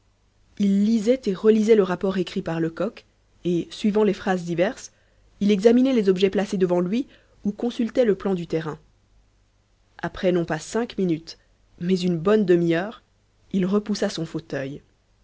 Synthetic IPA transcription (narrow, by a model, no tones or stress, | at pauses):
ilːizɛt̪eʁəlizɛləʁapɔʁekχipaʁləkɔk | esɥivɑ̃lefχazd̪ivɛʁs | ilɛɡzaminɛlezɔbʒɛplased̪əvɑ̃lɥi | ukɔ̃sylt̪ɛləplɑ̃d̪yt̪ɛʁɛ̃ | apχɛnɔ̃pasɛ̃kminyt̪ | mɛzynbɔnd̪əmiœʁ | ilʁəpusasɔ̃fot̪œj